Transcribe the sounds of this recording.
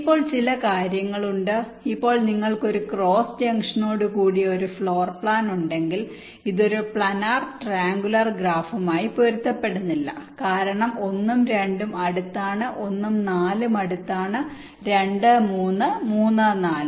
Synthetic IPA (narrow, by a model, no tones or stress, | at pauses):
ipːo̞ːɭt͡ɕilɐkaːɾjɐŋːɐɭuɳɖɨ | ipːo̞ːɭniŋːɐɭko̞ɾukro̞ːsd͡ʑɐŋʂɐno̞ːɽukuːɽio̞ɾufɭo̞ːrpɭaːnuɳɖe̞ŋɡil | iðo̞ɾupɭɐnaːrʈraːŋɡulɐrɡraːfɐmaːjipoɾut̪ːɐpːe̞ɽunːilːɐ̰kaːɾɐɳɐmo̞nːumɾe̞ɳɖumɐɽut̪ːaːɳɨʔo̞nːumnaːlumɐɽut̪ːaːɳɨ | ɾe̞ɳɖɨmuːnːɨmuːnːɨnaːlɨm